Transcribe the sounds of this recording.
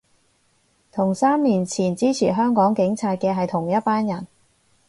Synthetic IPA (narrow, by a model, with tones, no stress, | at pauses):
t̪ʰʊ˨˩ŋsaː˥mːiː˨˩nt͡sʰiː˨˩nt͡siː˥t͡sʰiː˨˩ɦœː˥ŋkɔː˨˥ŋkɪ˨˥ŋt͡sʰaː˧t̚kɛː˧ɦɐ˨jt̪ʰʊ˨˩ŋjɐ˥t̚paː˥njɐ˨˩n